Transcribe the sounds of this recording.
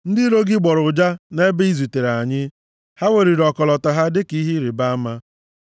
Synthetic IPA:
n̩˦dɪ˦ɾo˦ɡɪ˦ɡ͡bɔ˨ɾʊ˨d͡ʒa˦ne˦be˦i˦zu˨te˨ɾa˨ɲɪ˦ | ha˦we˨ɾi˨ɾɔ˨kɔ˨lɔ˨ta˨ɦa˦dɪ˦ki˦ɦi˦ɾi˨ba˦a˦ma˦

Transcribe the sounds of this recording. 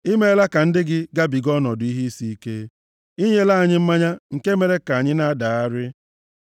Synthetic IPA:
i˦me˦la˦ka˨n̩˦dɪ˦ɡɪ˦ɡa˦bi˨ɡɔ˦nɔ˨dʊ˨i˦ɦi˦i˦si˦i˦ke˦ | i˦ɲe˦la˦a˨ɲɪ˦m̩˦ma˦ɲa˦ŋ̩˨ke˦me˨ɾe˦ka˨a˨ɲɪ˦na˦da˨a˦ɾɪ˦

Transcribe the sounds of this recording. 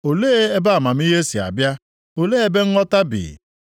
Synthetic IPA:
o˨leː˦e˦ba˦a˨ma˨m̩˦i˦ɦe˦si˨a̰˨bja˦ | o˨leː˦e˦be˦ŋ̩˦ɔ˦ta˦bḭ˨

